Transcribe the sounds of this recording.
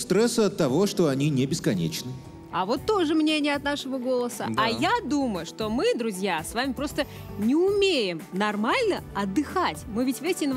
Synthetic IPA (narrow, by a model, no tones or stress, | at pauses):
st̪ɾɛsəɐt̪ːɐvo̞ʂt̪o̞ɐnʲinʲɪbʲɪskɐnʲḛt͡ɕnɨ | ɐvo̞t̪ːo̞ʐɨmnʲenʲɪjəɐt̪naʂəvəɡo̞lˠəsəajad̪uməjʊʂt̪o̞mɨd̪ɾʊzʲjasvamʲɪpɾo̞st̪ə | nʲɪʊmʲejɪmnɐrmalʲnəɐd̪ːɨxatʲmɨvʲɪtʲvʲesʲɪn